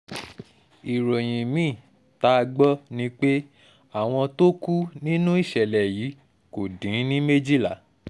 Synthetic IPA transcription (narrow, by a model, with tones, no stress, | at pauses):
i˨ɾo˨j̃ĩ˨mĩː˦˨ | ta˦˧ɡ͡bɔ˦nĩ˦k͡pe˦ | a˦˨w̃ɔ̃˧to˦ku˦nĩ˦nũ˦i˦˨ʃɛ˨lɛ˨ji˨˦ | ko˨dĩ˨˦nĩ˦me˦d͡ʒi˦˨la˨